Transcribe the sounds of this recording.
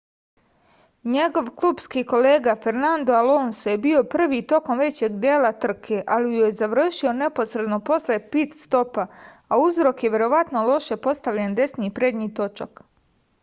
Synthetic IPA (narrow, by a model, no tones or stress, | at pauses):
ɲe̞ɡo̞ʋkluːbskiːko̞leːɡafeɾnand̪oaloːnsoje̞bio̞pr̩ʋiːt̪o̞ko̞mʋe̞t͡ɕe̞ɡd̪jeːlˠat̪r̩kʰe̞ʔalijujezaʋr̩ʃio̞ne̞po̞sɾe̞d̪no̞po̞slepit̪st̪o̞pa | auzɾo̞kjeʋje̞ɾo̞ʋat̪nolˠo̞ʃe̞po̞st̪aʋʎand̪e̞sniːpɾed̪ɲiːt̪o̞t͡ʃa̰k